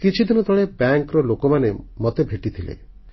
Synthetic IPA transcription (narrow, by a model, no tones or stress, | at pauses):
kit͡ʃʰid̪inɔd̪ʱɔɭ̃ebjaŋkɾɔlokɔmanemɔt̪ebʱeʈit̪ʰilḛ